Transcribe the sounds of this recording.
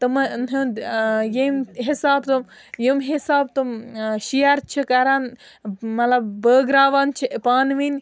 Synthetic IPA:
t̪ɨmnɦujimɦisaːbt̪um | jimɦisaːb̚t̪umʃijɐɾt͡ʃʰikɐɾan | mɐt̪lɐbbəːɡɾaːʋant͡ʃʰipaːnʋinʲ

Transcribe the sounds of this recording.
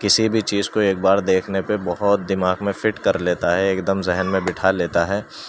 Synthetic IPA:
kɪsibʱit͡ʃiːzkoeːk̚baːɾd̪eːkʰnepebɔɦʊt̪̚d̪ɪmaːɡmẽfɪʈkɐɾleːt̪aɦɛeːkd̪əmzɪɦənmẽbɪʈʰaleːt̪aɦɛː

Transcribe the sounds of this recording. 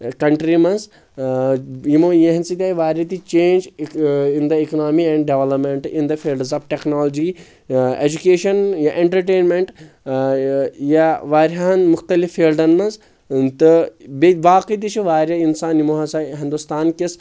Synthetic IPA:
kɐɳʈɾimɐnz | jimojeɦnsit̪ʲaːiʋaːɾɐt̪it͡ʃẽːnd͡ʒind̪ɐiknaːmiɛ̃ɳɖɖeʋlɐpmeɳʈind̪ɐfʰiːlɖzaːfʈeknaːlɐd͡ʒi | ed͡ʒukeːʃɐnjaʔẽɳʈɐɾʈeːnmeɳʈ | jaʋaːɾɦaɐnmʊxt̪ɐlifːiːlɖɐnmɐnz | t̪ɨbeʋaːqit̪̬it͡ʃʰiʋaːɾɐinsaːnjimoɦɐsaɦĩnd̪ust̪aːnkis

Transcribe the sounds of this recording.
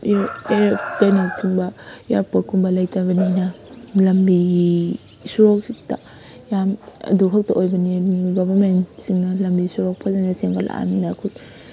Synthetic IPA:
eɾkajnakunbɐja̰ɾpot̚kʰumbɐlɐjtabɐninɐlɐmbiɡi | suɾɔk̚sita | jamɐ̰duɦʰɐk̚taʔojbɐniniɡobamensiŋnɐlɐmbisuɾɔk̚pʰazanaseŋɡala̰a̰minakʰut

